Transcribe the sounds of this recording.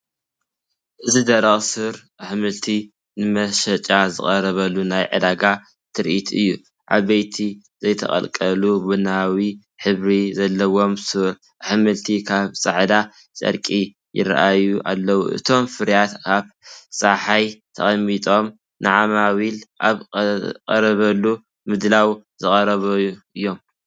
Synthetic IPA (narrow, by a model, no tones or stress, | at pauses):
ʔɨzid̪ɐɾɐχʼsɨɾʔħmɨlt̪ʰi | nɨmɐʃɐt͡ʃʼazɨχʼɐɾɐβɐlunajʕɨ̰d̪aɡa | t̪ʰɨɾʔit̪ʰɨjːu | ʔa̰βɐjt̪ʰi | zɐjt̪ʰɐ̰χʼɐ̰lkʼɐlubɨnawi | ħɨβɾizɐlːɐwo̞msɨɾ | ʔħmɨlt̪ʰikʰaβsʼaʕd̪a | t͡sʼɐ̰ɾkʼi | jɪ̰ra̰ʔajuʔalːɐwṵʔɨ̰t̪ʰo̞mfɨɾjat̪kʰaβsʼaħajt̪ʰɐ̰χʼɐmːit̪ʼo̞m | nɨʕamaβilʔaβkʼɐ̰ɾɐβɐlːu | mɨd̪lawzɨχʼɐɾɐβɐjuʔɨjːo̞m